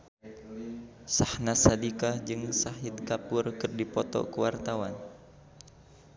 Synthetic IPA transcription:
sahnasadikad͡ʒɨŋsaɦid̪̚kapurkɨrdipɔt̪ɔ̰kəwart̪awan

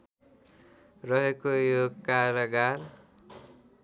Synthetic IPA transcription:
rʌɦekojokaɾʌɡar

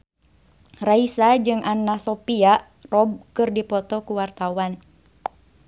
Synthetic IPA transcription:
raisad͡ʒɨŋʔanːasɔpia | rɔb̚kɨrdipɔt̪ɔkuwart̪awan

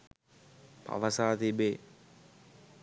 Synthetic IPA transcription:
pʰa̰ʋəsaːt̪ibe

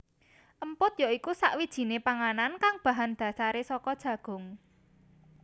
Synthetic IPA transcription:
ʔəmpʊt̪̚jaikusa̰ʔwid̥ʒ̥i̤nepaŋanankaŋb̥ä̤ɦand̪̥ä̤saɾesɔkɔd̥ʒ̥ä̤ɡ̥ʊ̤ŋ

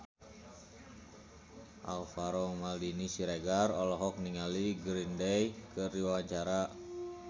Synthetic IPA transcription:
ʔa̰lfaɾɔmaldinisiɾeɡarɔlɔɦɔk̚niŋaliɡɾindɛjkɨriwawaɲt͡ʃaɾa

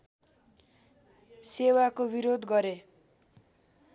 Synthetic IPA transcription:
sewakobiɾod̪ɡʌɾe

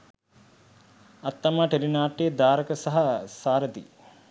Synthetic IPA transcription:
ɐt̪ːɐmaːʈeɾinaːʈːeːd̪aːɾɐkɐsɐɦɐsaːɾəd̪ḭ

